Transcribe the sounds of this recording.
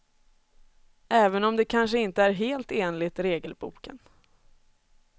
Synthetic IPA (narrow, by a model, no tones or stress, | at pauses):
ʔɛːvənɔmd̪ɛkʰanʂəɪnt̪əæɾɦeːlt̪eːnlɪt̪ɾeːɡəlbṵːkə̰n